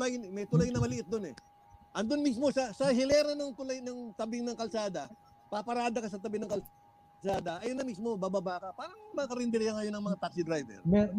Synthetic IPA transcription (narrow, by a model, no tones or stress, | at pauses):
lajmɛjt̪ʊlajnɐmɐlɪʔɪt̪̚d̪o̞nɛ̰ | ʔɐnd̪onmismo̞sɐsɐɦɪlɛɾɐnɐŋt̪ʊlajnɐŋt̪ɐbɪŋnɐŋkɐlsaːd̪ɐ | papɐɾaːd̪ɐkɐsɐt̪ɐbɪŋnɐŋkɐl | saːd̪ɐʔɐjonɐmismo̞baːbabaʔkɐpaːɾɐŋmakɐɾɪnd̪ɪɾɪhaŋɐjo̞nɐŋmɐŋat̪ak̚sɪd̪ɾajvɛ̰ɾmɛ